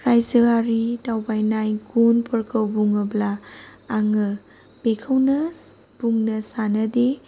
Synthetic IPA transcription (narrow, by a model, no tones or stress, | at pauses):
pɾajziwaɾitawbajnajɡunpʰɐɾkʰəwbuŋɐblaː | ŋɯ | bekʰɐwnɐ | b̥uŋnɐsanɐde